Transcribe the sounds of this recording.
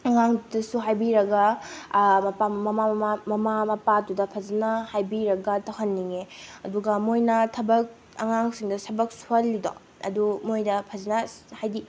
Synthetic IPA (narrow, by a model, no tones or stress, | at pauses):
ɐŋaŋdudɐsuɦajbiɾɐɡɐ | mɐpamɐmaamɐmamɐpadudɐpʰɐzɐnɐhajbiɾɐɡɐtɐwɦɐnːiŋeɐduɡɐmojnɐtʰɐbɐk̚ | ɐ̰ŋaŋsiŋdɐsɐbɐk̚suɐlːido̰ | ɐ̰dumojdɐpʰɐzinɐhajdi